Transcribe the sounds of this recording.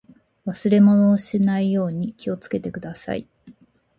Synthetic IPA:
βasɨɾe̞mo̞no̞ːɕinaijo̞ːɲ̟ikʲio̞t͡sɨ̥ke̞t̪e̞kɯ̟d̪asa̰ḭ

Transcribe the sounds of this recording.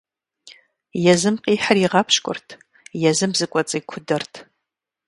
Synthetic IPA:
jɛzɨmqʼiːħariʁɑpʰʃkʷʼʊ̰rtʰ | jɛzɨmzɨkʷʼɔt͡sʼɐkʷʰʊdɐrtʰ

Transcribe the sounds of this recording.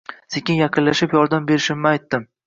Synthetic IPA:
sekʲɪnjɑqʰɨnlaʃɪpjɒɾd̪ambe̞ɾɪʃɪmnɪajt̪ːɪm

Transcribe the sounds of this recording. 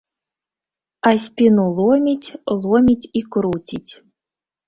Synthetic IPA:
asʲpʲinulˠomʲitʲlˠomʲitʲikɾutʲitʲ

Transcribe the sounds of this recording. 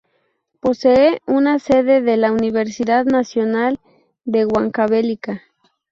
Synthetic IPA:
po̞seeunase̞ðe̞ðelauniβe̞ɾsiðaðnasjo̞nal | d̪e̞ɣwaŋkaβelika

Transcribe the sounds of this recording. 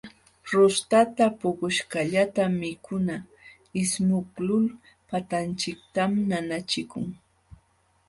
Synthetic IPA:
ɾʊst̪at̪apʊkʊʃkaʎat̪amːɪkʰʊna | ɪsmʊklʊl | pat̪ant͡ʃɪk̚t̪amnanat͡ʃɪkʊŋ

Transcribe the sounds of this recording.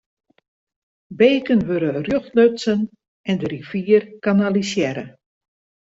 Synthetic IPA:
beːkənʋøɾərjøxtløtsən | ɛndəɾifiərkanalisjɛɾə̰

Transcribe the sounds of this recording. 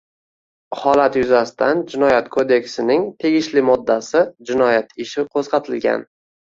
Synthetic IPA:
hɒlat̪jʊzast̪ʰand͡ʒɪnɒjat̪kʰod̪e̞kʲsɪnɪŋt̪ʰe̞ɡʲɪʃlɪmɒd̪ːasɪd͡ʒɪnɒjat̪ʰɪʃɪqʰosqɑt̪ʰɪlɡʲa̰n

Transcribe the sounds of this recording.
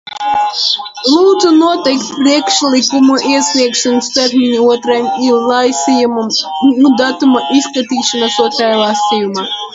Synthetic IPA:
lˠuːd̪zunuɔt̪ɛjkt̪pɾiɛkʃlʲˠikumuʔiɛsʲlʲiɛkʃɔnst̪ɛɾmʲinʲiuɔt̪ɾajmilˠɑjsijumumnud̪at̪umaʔiskat̪ʲiːʃɐnasuɔt̪ɾajlˠasʲijuma

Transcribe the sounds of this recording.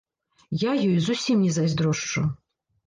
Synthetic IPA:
jajɔjzusʲimnʲɛzazʲd̪ɾɔʂt͡ʂṵ

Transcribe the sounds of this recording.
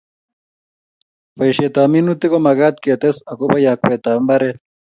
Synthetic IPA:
pɐjɕet̪aːminut̪ikomɐɡaːt̪̚keːt̪esɐkobɐjaːkweːt̪aːmbɐɾe

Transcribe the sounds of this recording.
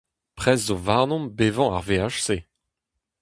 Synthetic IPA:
pχɛzːovaʁnɔ̃mbevɑ̃a̰ʁveaʃse

